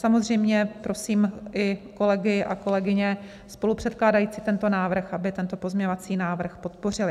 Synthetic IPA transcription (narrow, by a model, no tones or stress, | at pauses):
samo̞zr̝ɛjmɲɛpɾo̞siːmʔɪko̞lɛɡɪʔa̰ko̞lɛɡɪɲɛ | spo̞lupr̥ɛt̪̚klaːdajiːt͡sɪt̪ɛnt̪o̞naːvr̩xʔabɪt̪ɛnt̪o̞po̞zmɲɛɲo̞vat͡siːnaːvr̩xpo̞t̪̚po̞r̝ɪlɪ